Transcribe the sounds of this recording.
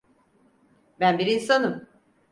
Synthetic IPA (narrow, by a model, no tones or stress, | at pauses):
bænbiɾinsanɯm